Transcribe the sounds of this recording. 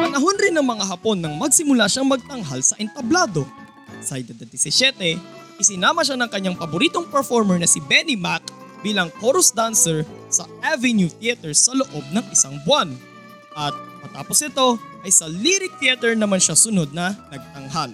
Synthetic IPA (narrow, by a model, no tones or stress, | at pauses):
pɐnɐɦo̞nɾɪnːɐŋmɐŋaɦɐpo̞nːɐŋmɐɡsɪmʊlaʃaŋmɐɡ̚t̪ɐŋɦalsɐʔɛnt̪ɐblaːd̪o̞ | sajd̪ɐd̪ɐd̪ɛsɪsjɛt̪ɛ | ʔɪsɪnaːmɐʃanɐŋkɐɲːaŋpɐbʊɾiːt̪o̞ŋpɛɹfoɹmɛɹnɐsɪbɛnimakbiːlɐŋkoɾosd̪ansɛɹsɐʔavɛnjut̪iɐt̪ɛɹsɐlo̞ʔo̞b̚nɐŋʔɪsaŋbʊan | ʔɐt̪̚mɐt̪a̰ːpo̞sɪt̪o̞ʔɐjsɐliɾɪk̚t̪iɐt̪ɛɹnɐmanʃasʊno̞d̪̚nɐnɐɡ̚t̪ɐŋɦal